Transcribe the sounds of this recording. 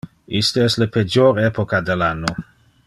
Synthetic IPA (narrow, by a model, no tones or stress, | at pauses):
ist̪əɛsleped͡ʒoɾɛpokad̪elanːo